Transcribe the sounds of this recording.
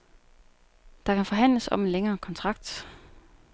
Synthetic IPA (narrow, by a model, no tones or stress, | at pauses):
d̥ɑ̈kæfɒ̽ɦæn̰ləsɒ̽me̝nleŋɐːkʰɒ̽nt͡sʰʁɑ̈ɡ̥̚d̥